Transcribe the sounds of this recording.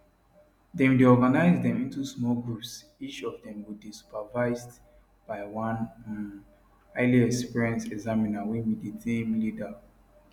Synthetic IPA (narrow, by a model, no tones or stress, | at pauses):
dewidiɔɡanaɪzdɛ̃mĩntusmɔlɡɹups | it͡ʃɔvdɛ̃mwud̚bisu̥pavaɪzd | b̥aɪwãn | aɪliɛkspiɹɛ̃nsɛɡzaminawɛnwiditʰĩmlida